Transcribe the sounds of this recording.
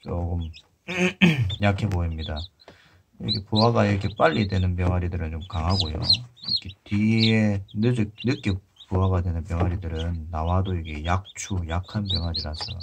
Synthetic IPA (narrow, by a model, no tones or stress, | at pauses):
t͡ɕom | jakʰe̞boimɲida | iɾɯ̰ɡepuwaɡaiɾʌkʰe̞p͈aʎːidwe̞nɯnpjʌŋɦaɾidɯɾɯnt͡ɕomkaŋɦaɡojo̰ikʰetienɯd͡ʑɯnɯk͈e | puɦaɡadwe̞nɯnpjʌŋɦaɾidɯɾɯnːawadoiɡe̞jak̚t͡ɕʰujakʰanpjʌŋaɾiɾasʰʌ